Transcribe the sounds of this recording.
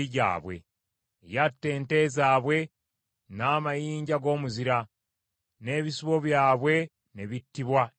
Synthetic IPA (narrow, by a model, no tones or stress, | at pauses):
iɟa̰ːβwe̞̰ | jatːe̞ːnte̞zaːβwe̞ | naːmajiːɲɟaɡo̞ːmuziɾa | ne̞ːβisuβo̞βjaːβwe̞ | ne̞βitːiβwa